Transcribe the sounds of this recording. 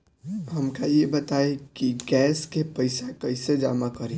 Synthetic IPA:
ɦɐmkajebɐt̪aːekiɡɛːskepɐɪsekɐɪsed͡ʒaːmakɐɾẽ

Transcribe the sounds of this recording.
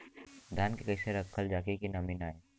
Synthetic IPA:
d̪ʱjaːnkekɐɪseɾɐkʰːəld͡ʒaːkekinɐminaːe

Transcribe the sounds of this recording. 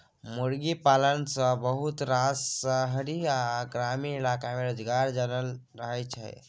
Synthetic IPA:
muɽɡipalənsəbəɦut̪ɾasəɦəɽiaɡɾamiːlakameɾod͡ʒɡaɾd͡ʒənəl | ɾəɦəjt͡ʃʰa̰ḛ

